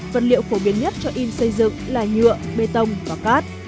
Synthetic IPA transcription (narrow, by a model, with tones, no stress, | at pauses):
və˨˩t̚lḭ˧˨əwfo˧˩ɓi˧˦ənɲə˦˥t̚t͡ɕɔ˧ʔi˧nsə˧jzɨ̰˧˨ŋlaː˨˩ɲɨ̰˧˨əɓe˧t̪ə˧wŋ͡mvaː˨˩kaː˦˥t̚